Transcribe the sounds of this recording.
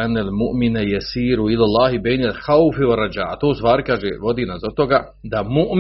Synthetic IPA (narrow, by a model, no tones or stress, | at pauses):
anːalmuʔminajasiːɾuilalˠːaːɦibejnalxawfiwarːad͡ʒa̰ːat̪oːst̪ʋaːɾikaːʒḛʋo̞d̪iːnazat̪oɡa | d̪amuʔm